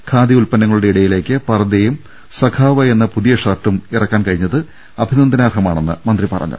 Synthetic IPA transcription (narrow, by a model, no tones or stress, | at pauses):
kʰaːd̪iulpɐnːɐŋːɐɭuɽe̞iɽɐjile̞ːkːɨpɐrɐd̪ejum | sɐkʰaːʋɐe̞nːɐpuðijɐʂɐrʈːumirɐkːaːnkɐɻiɲːɐðɨ | ɐbʱinɐnd̪ɐnaːrhɐmaːɳenːɨmɐnd̪ripɐrɐ̰ɲːṵ